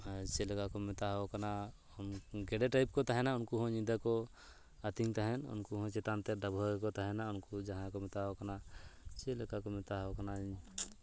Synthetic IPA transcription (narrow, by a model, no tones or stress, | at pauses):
t͡ʃelkakomɪt̪aɦokəna | nɡeɽeʈaɪp̚kot̪əɦɛnaʊnkuɦõɲĩnd̪ako | ət̪iŋɡt̪əɦɛnʊ̰nkuɦõt͡ʃet̪ant̪eɖəbʱoekot̪ɦɛnaʊnkud͡ʒəɦãkomɪt̪aɦokənat͡ʃelkakomɪt̪aɦokəna